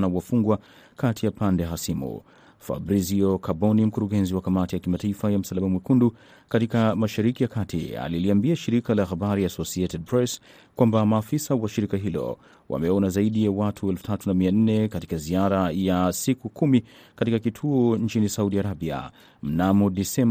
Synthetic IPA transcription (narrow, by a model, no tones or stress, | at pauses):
nawafuŋɡwa | katʰijapandɛɦasimṵ | fa̰bɾiziokabɔnim̩kuɾuɡɛnziwakamatijakimataifajam̩salamamwikundu | katikamaʃaɾikijakatḭa̰liliambiaʃiɾikalaxabaɾiasɔsietɛd̚pɾɛs | kwambamaːfisawaʃiɾikaɦilɔ̰ | wa̰mɛɔnazaiɗijawatʰuɛlfu̥tʰatunamian̩nɛkati̥kaziaɾajasikukumikatikakitʰuɔnt͡ʃinisauɗiaɾabia̰ | m̩namɔɗisɛm